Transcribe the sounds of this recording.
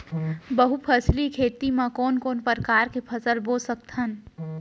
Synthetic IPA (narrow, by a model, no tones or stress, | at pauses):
bəɦupʰəslikʰeːt̪imãkɔːnkɔːnpəɾkaːɾkepʰɐsəlboːsək̚t̪ɦən